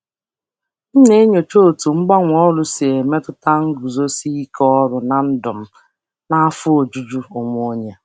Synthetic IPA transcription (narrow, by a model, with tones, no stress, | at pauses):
n̩˦ne˦ɲo˨t͡ʃo˦o˨tu˨ŋ͡m̩˦ɡ͡ba˦ŋʷ˦ɔ˦lʊ˦se˨e˨me˦tʊ˦ta˦ŋ̩˦ɡu˨zo˦si˦kʰɔ˦ɔ˦ɾʊ˨na˨n̩˦dʊ˨m̩˦ | na˦a˦fʊ˦o˨d͡ʒu˦d͡ʒu˦ʊ˨ŋo˦ɲe˦